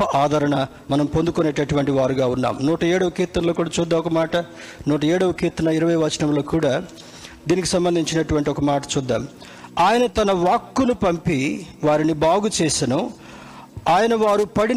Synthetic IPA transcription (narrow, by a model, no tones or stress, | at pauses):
ɐʔaːd̪ʱɐɾɐɳɐ | mɐnɐmpond̪ukoneːʈːɐʈuʋɐɳʈiʋaːɾuɡaːunːa̰ːmnuːʈɐɛːɽɐʋɐkiːt̪ːɐnloːkuːɽaːt͡ʃuːd̪ːaːmɔkɐmaːʈɐnuːʈ̬ɐɛːɽɐʋɐkiːt̪ɐnɐiɾɐʋɐjʋɐt͡ʃɐnɐmlo̞ːkuːɽaː | d̪iːnikisɐmbɐnd̪ʱiɲt͡ʃinɐʈuʋɐɳʈ̬iɔkɐmaːʈɐ̥t͡ʃuːd̪ːa̰ːm | aːjɐnɐt̪ɐnɐʋaːkːunupɐmpiʋaːɾinibaːɡut͡ʃeːsinu | aːjɐnɐʋaːɾupɐɽi